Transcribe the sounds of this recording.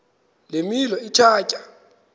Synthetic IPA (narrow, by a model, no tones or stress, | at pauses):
lemilɔit͡ʃʰaːcʼa